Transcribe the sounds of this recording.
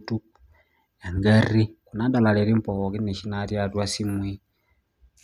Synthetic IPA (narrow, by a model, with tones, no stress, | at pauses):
tu˦k | ja˨ŋɡa˦ri˦ku˨na˦da˨la˨le˨ɾi˦mpo˨ki˦ne˨ʃi˦na˦ɾja˦˨twa˦si˦mwi˦